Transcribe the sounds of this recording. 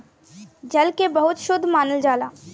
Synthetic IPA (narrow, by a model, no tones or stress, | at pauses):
d͡ʒɐlkebɐɦʊt̪ʃʊd̪ʱːmaːnəld͡ʒaːlaː